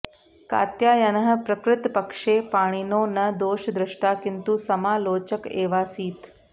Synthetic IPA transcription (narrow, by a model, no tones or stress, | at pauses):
ka̰ːt̪jaːjɐnɐɦə̆pɾɐkɾɪt̪pɐkʂeːpaːɽ̃inoːnɐd̪oːʃd̪ɾɪʂʈaːkint̪uːsɐmaːloːt͡ʃəkeːʋaːsiːt̪